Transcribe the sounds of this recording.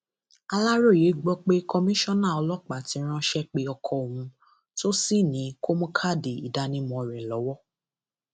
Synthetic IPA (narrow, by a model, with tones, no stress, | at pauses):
a˧la˦ɾo˦˨je˨˦ɡ͡bɔ˦k͡pe˦kʰɔ˧mĩ˦ʃɔ̃˦˨nã˦˨ɔ˧lɔ˦k͡pa˨tĩ˨˦ɾ̃ã˦˧ʃɛ˦k͡pe˦ɔ˧kʰɔ˧o˨hũ˧ | to˦si˦˨nĩ˨˦ko˦mɔ̃˦kʰa˦˨de˨ḭ˨da˨˦nĩ˦mɔ̃˧˨ɾɛ˨lɔ˨˦wɔ˦